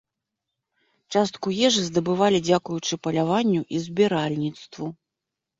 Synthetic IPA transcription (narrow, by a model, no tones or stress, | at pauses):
t͡ʂast̪̚kujɛʐɨzd̪ɐbɨvalʲid͡zʲakujut͡ʂɨpɐlʲavanʲːuʔizʲbʲiɾalʲnʲit̪st̪vu